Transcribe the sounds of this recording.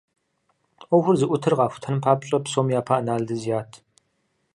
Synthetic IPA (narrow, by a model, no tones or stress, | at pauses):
ɔxʷʊrzɨʔʷʊtʰɨrʁɑːxʷʊ̥tʰɐnɨmpʰaːpɕʼɐpsoːmjaːpʰaʔɐnaːɮdɨzijaːtʰ